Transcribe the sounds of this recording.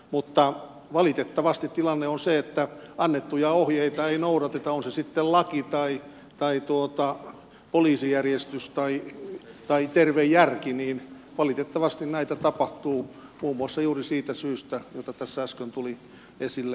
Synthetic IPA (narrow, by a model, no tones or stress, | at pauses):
mut̪ːɑ | ʋɑlit̪et̪ːɑʋɑst̪it̪t̪ilɑnːeonseet̪ːæɑnːet̪ːujɑohjeit̪ɑeinouɾɑt̪et̪ɑonsesit̪ːellɑkit̪ɑi | t̪ɑit̪uot̪ɑ | poliːsijærjest̪yst̪ɑit̪ɑit̪erʋejjærkiniːn | ʋɑlit̪et̪ːɑʋɑst̪innæit̪æt̪ɑpɑht̪uːmuːmːuɑsːɑjuːrisiːt̪æsyːst̪æjot̪ɑt̪æsːæskønt̪uli | esilːe